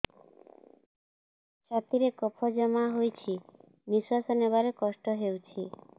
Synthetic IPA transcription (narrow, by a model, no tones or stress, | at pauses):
t͡ʃʰat̪iɾekɔpʰɔd͡ʒɔmaɦojt͡ʃʰi | miswasɔneβaɾekɔsʈɔɦewt͡ʃʰi